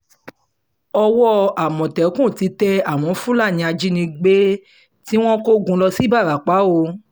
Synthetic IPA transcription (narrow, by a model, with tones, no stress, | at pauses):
ɔ˧wɔ˦a˨mɔ̃˨tɛ˨˦kũ˦˨ti˨˧tɛ˦˧a˨w̃ɔ̃˨˦fũ˦la˦˨nĩ˧a˧d͡ʒi˦nĩ˧ɡ͡be˦ | ti˦w̃ɔ̃˦ko˦ɡũ˧lɔ˧si˦ba˦˨ɾa˨k͡pa˨˦o˧